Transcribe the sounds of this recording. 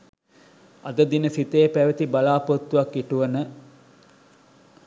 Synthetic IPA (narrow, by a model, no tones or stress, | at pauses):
ɐ̰d̪əd̪inəsit̪eːpæʋet̪ibalaːpot̪ːuʋakːiʈuʋənə